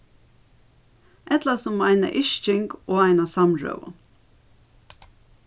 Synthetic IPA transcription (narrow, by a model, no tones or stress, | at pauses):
ʔɛt̪lasɔmːaɪna̰ʔɪʃt͡ʃɪŋkoːaɪnasɑmɹø̰ːʋʊ̰n